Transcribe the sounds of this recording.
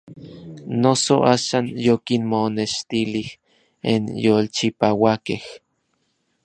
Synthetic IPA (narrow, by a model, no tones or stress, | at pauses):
nosoʔaːʃaːnjokinmoneʃt̪ilih | ḛnjolt͡ʃipawakeh